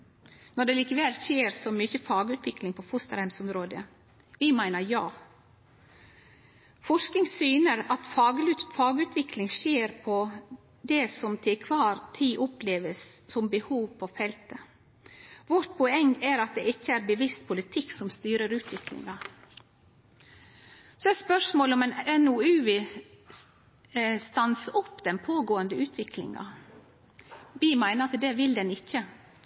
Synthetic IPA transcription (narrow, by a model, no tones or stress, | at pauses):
nɔɖɛliːkəʋɛlʃeːɾsɔmʏçəfɑːɡʉːt̪ʰʋɪklɪŋpʰɔfʊst̪əɾhɛmsɔmɾoːd̪ə | ʋɪmæɪnəɾjɑː | fɔʂknɪŋsyːnəɾɑt̪fɑːɡfɑːɡʉːt̪ʰʋɪklɪŋʃeːɾpʰɔ | d̪ɛsɔmt̪ʰɪkʰʋɑːɾt̪ʰiːʔɔpleːʋəsːɔmbəhuːʋpʰɔfɛlt̪ə | ʋɔɾt̪̚pʰɔɛŋæɾɑt̪̚d̪ɛɪçːəæɾbəʋɪst̪̚pʰʊlɪt̪ʰɪksɔmst̪yːɾəɾʉːt̪ʰʋɪklɪ̰ŋɑ | sɔɛspœʂmoːlɔmɛnɛnʊʉːʋɪ | st̪ɑnsəɔpːd̪ɛnpʰoːɡoːənd̪əʉːt̪ʰʋɪklɪ̰ŋɑ̰ | ʋiːmæɪnəɾɑt̪d̪ɛʋɪld̪ɛnɪçːə